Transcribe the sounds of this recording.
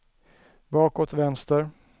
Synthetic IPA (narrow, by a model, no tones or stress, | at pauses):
bɑːkoːt̪vɛnst̪əɾ